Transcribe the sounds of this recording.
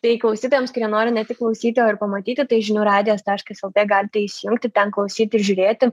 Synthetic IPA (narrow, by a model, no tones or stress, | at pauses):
t̪ɐɪklˠɐʊsʲiːt̪oːjɔmskʊɪɾʲjiɛnoːɾʲɪnʲɛt̪ʲɪklˠɐʊsʲiːt̪ʲɪjoːɪrpɐmɐt̪ʲiːt̪ʲɪt̪ɐɪʒʲɪnʲuːɾɑːd̪ʲɪjoːst̪æɐʃkɐsɛlˠt̪ʲeːɡɑːlʲɪt̪ʲɛɪsʲɪjʊŋkt̪ʲɪt̪ʲɛnklˠɐʊsʲiːt̪ʲɪɾʒʲʊːɾʲeːt̪ʲɪ